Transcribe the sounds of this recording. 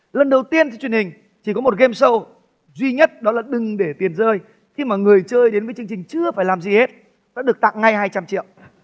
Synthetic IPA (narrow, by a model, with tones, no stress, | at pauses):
lə˨˩nɗə˨˩wt̪i˧ənt̪ʰwt͡ɕwi˨˩ə˩nhï˨˩ŋ̟ | t͡ɕi˧˩kɔ˨˦mo˨˩t̚ɣe˧msə˧w | zwi˧ɲə˦˥t̚ɗɔ˨˦laː˨˩ɗɨ˨˩ŋɗe˧˩t̪i˨˩ənzəː˧j | xi˧maː˨˩ŋɨ˨˩əjt͡ɕəː˧jɗe˨˦nvəː˨˦jt͡ɕɨ˧əŋt͡ɕï˨˩ŋ̟t͡ɕɨ˧əfaː˧˩jlaː˨˩mzi˨˩he˦˥t̚ | ɗa̰ː˧˥ɗɨ˨˩ək̚t̪a̰˧˨ŋŋa˧jhaː˧jt͡ɕa˧mt͡ɕḭ˧˨əw